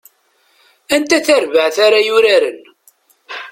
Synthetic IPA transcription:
ænt̪æθæɾvəʕθaɾajʊɾaɾən

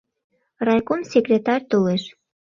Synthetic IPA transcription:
rɑjkomsʲekrʲet̪ɑrʲt̪oleʃ

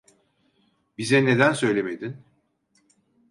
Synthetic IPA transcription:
bizɛne̞d̪ænsø̞jlʲemed̪in

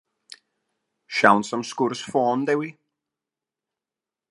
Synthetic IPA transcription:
ʃãwnsə̃mskʊɹsfɔːnd̪ewi

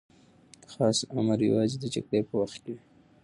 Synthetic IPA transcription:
xɑsaməɾja̰wɑzed̪əd͡ʒa̰ɡɽepəwaxt̪ke

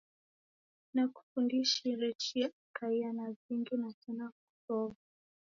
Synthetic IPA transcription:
naku̥fundiʃiɾɛt͡ʃiaakaianaziŋɡinatɛnaku̥tɔva

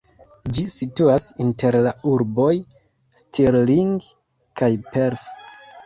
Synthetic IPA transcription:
d͡ʒisituasinte̞ɾlauɾbo̞j | stʰiɾliŋɡ | kajpeɾf

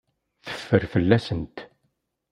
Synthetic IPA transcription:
θə̥fːəɾfəlːæsənt̪

